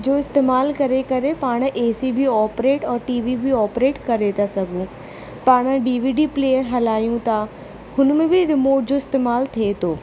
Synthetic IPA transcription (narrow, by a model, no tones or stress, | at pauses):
d͡ʑoːɪst̪eːmaːlkɐɾekɐɾepaːɽ̃ʔeːsibiɔːpɾeːʈɔːɾʈiːʋibʱiɔːpɾeːʈkɐɾet̪ʰasɐɡʱũ | paːɽ̃̆ɖiːʋiːɖiːpleːjəɾɦɐlaːjũt̪ʰa | hʊnmẽbɪɾɪmoːɾʈ̚d͡ʑoːɪst̪eːmaːlt̪ʰiet̪ʰoː